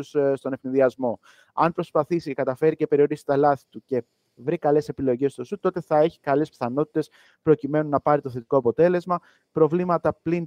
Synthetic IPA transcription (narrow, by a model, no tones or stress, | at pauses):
usst̪o̞ne̞fninðiɐzmo̞ | ɐ̰npɾo̞spɐθisicekɐt̪ɐfe̞ɾice̞pe̞ɾio̞ɾisi̥t̪ɐlɐθi̥t̪uce̞ | vɾikɐle̞se̞pilo̞ʝe̞st̪o̞sut̪o̞t̪e̞θɐe̞çi̥kɐle̞spθɐno̞t̪i̥t̪e̞s | pɾocime̞nunɐpɐɾit̪o̞θe̞t̪i̥ko̞ɐpo̞t̪e̞le̞zmɐ | pɾo̞vlimɐt̪ɐplin